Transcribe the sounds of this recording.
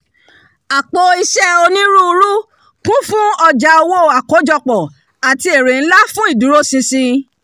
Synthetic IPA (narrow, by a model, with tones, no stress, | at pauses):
a˨k͡po˧i˧ʃɛ˦o˧nĩ˦ɾũ˦u˧ɾu˦ | kũ˦fũ˦ɔ˧d͡ʒa˧o˧wo˦˨a˨ko˨˦d͡ʒɔ˧k͡pɔ˨ | a˨ti˧˦e˨ɾe˨n̩˦la˦fũ˦i˦˨du˨˦ɾo˦sĩ˧sĩ˧